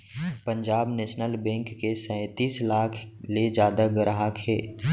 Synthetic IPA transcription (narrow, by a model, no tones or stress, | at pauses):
pə̃ɲd͡ʒaːbneːʃnəlbɛ̃ːŋkːesɛ̃ɪt̪iːslaːkʰled͡ʒjaːd̪aɡəɾaɦakɦɛ̰ː